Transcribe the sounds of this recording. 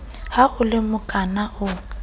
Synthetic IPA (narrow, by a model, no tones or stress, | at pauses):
haʊlɪmʊkʼanaʔʊ